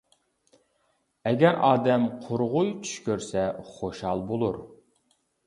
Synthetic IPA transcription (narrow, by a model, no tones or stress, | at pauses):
ɛɡʲɛɾʔɑːd̪ɛmqʰoɾʁʊjt͡ʃʰy̥ʃkʲøɾsɛχoʃɑlˠbolˠuɾ